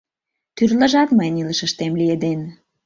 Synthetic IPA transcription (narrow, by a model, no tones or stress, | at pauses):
t̪yrlə̆ʒɑt̪məjniləʃə̆ʃt̪emlijed̪en